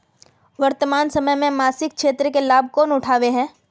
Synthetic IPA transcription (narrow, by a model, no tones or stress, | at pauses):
ʋɐɾt̪əmaːnsɐməjmẽmaːsɪk̚ʃeːt̪ɾəkelaːb̚ʱkɔːnʊʈʰaːʋeɦɛ̃ː